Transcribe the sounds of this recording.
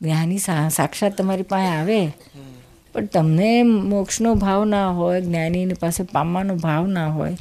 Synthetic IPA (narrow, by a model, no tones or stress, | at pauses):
ɡnjanisasakʃat̪ːəmaɾipãẽaʋe | pəɳt̪əmnemokʃnobʱaʋnaɦojɡnjaninipasepamanobʱaʋnaɦo̰j